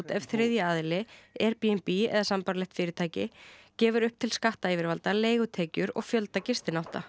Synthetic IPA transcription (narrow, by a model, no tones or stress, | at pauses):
t̪ɛv̥θɾɪðjaaːðɪlɪɛɾpiɛmpiɛ̰ðasampaɾlɛht̪fɪːɾɪt̪ʰaːjcɪcɛːvʏɾʏhp̚t̪ʰɪlskaht̪aiːvɪɾvalt̪aleːjɣʏt̪ʰɛːcʏɾɔ̰ɣfjœlt̪acɪst̪ɪnawht̪a